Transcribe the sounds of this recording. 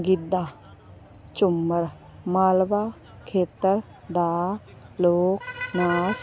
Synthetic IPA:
ɡid̪ːa | t͡ʃumːəɾ | maːlba | kʰeːt̪əɾ | d̪aː | loːknaːs

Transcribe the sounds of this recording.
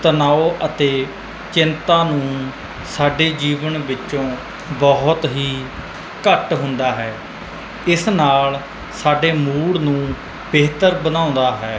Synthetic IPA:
t̪ənaːoːʔət̪eː | t͡ʃɪnt̪ãːnũː | saːɖeːd͡ʒiːʋənʋɪt͡ʃːʃõː | bɔɦʊt̪ɦiː | kəʈɦʊnd̪aːɦɛː | ɪsnaːl | saːɖeːmuːɽnũː | beːt̪əɾbənãːʊ̃nd̪aːɦɛː

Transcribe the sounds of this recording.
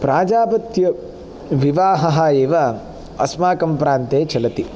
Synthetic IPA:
pɾaːd͡ʒaːpɐt̪jɐ | ʋiʋaːɦɐɦɐeːʋa | ɐ̰smaːkɐmpɾaːnt̪eːt͡ʃɐlɐt̪i

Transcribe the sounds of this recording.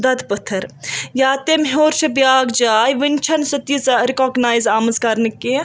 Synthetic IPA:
d̪ɐd̪pɐt̪ʰɐɾjaːt̪emɦoːɾt͡ʃʰɐbjaːɡd͡ʒaːjʋɐnʲt͡ʃʰɐnsɐt̪isɐɾikoːɡnaːjzaːmɐzkɐɾnɨkːe

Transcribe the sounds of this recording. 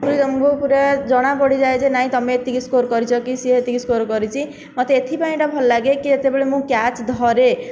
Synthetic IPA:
kuɾit̪ɔmɔ̃ŋkupuɾad͡ʒɔɽ̃apɔɽid͡ʒaed͡ʒenaɦĩt̪ɔmeːt̪ikiskoɾkɔɾit͡ʃʰɔkisieet̪iɡiskoɾkɔɾit͡ʃʰi | mɔt̪eet̪ʰipaĩɳʈabʱɔlːaɡekiet̪ebɔɭemũkjat͡ʃd̪ʱɔɾe

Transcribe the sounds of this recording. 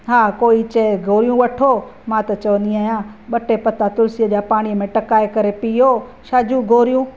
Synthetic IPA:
ɦaːkoːit͡ɕɐɡʱoːɾijũʋɐʈʰoːmãt̪ɐt͡ɕɐʋənd̪iaːɦjãːɓɐʈepɐt̪at̪ʊlsiəd͡ʑaːpaːɽ̃ijəmẽʈɐkaːekɐɾepiɦoʃaːd͡ʑũɡʱoːɾijũː

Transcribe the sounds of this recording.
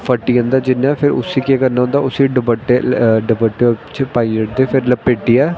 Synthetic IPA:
pʰəʈːijãːnd̪aːd͡ʒɪnːãːpʰɪɾʊ̰siːkeːkəɾnaːõːnd̪aːʊsiːɖəbəʈeɖəbəʈːet͡ʃpaːiːəʈd̪eːpʰɪɾləpːeːʈːiːɛː

